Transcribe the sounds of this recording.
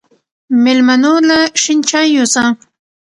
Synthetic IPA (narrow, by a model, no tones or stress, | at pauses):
mɪlmanulaʃɪnt͡ʃajʊsa